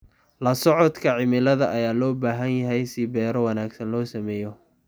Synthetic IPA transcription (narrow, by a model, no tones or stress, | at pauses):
lɐsɔʕɔd̪kʰɐʕɪmɪlɐðɐʔɐjaːlɔːbaːɦɐnjɐɦɛjsɪbɛːɾɔwɐnaːɡsɐnlɔːsɐmɛːjɔ